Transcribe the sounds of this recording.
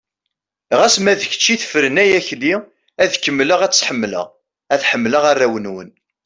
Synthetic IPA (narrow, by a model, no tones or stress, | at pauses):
ʁæsmæðəçə̥t͡ʃːiθə̥fɾənæjæçli | æðkəmːləʁæt͡sːħəmːlə̰ʁ | æθħəmːləʁarːæwənwə̰n